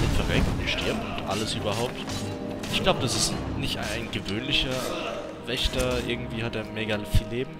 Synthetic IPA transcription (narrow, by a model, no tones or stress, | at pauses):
ɪfɛɐvɛktʊntʃtɪɐp̚tʊntʔa̰ləsʔyːbɐɦaʊp̚t | ʔɪçɡ̥laʊbəd̥asɪstnɪçtaɪnɡəvøːnlɪçɐ | vɛçtɐʔɪɐɡŋ̩tv̥iːhat̚deːɐmeːɡalfiːlːeːbm̩